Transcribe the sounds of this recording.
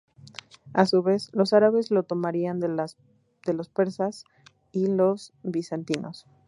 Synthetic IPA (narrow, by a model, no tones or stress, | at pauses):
asuβe̞slo̞saɾaβe̞zlo̞t̪o̞maɾian | d̪̥e̞lo̞speɾsas | ilo̞sβisant̪ino̰s